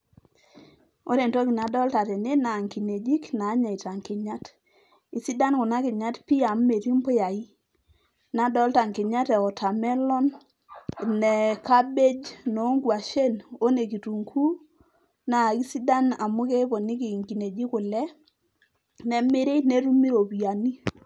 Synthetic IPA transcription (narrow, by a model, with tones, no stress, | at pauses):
o˦ɾe˨ntɔ˦ki˨na˨dɔ˦lta˨tɛ˨ne˦na˨ŋki˨ne˨d͡ʒi˦knaː˨˦ɲa˨i˨ta˨ŋkɪ˨ɲa˦t | i˨si˦da˦nkʊ˨na˦kɪ˨ɲa˦tpi˦a˨mːe˨ɾi˦mpɔ˦ja˨i˦ | na˨˦dɔ˦lta˨ŋkɪ˨ɲa˦tɛ˨ɔ˨tʰa˨mɛ˦lɔ˦n | nɛ˨ka˦be˦d͡ʒno˨˦ŋɡwa˨ʃe˦no˦ne˨ki˨tu˨ŋkʰu˦ | na˨ki˦si˦da˦na˨mʊ˦ke˦pɔ˨ni˦k̬i˨ŋki˨ne˨d͡ʒi˦kʊ˨lɛ˦ | nɛ˨me˦ɾe˦ne˨ɾu˦mi˦ɾo˨pi˨a˨ni˦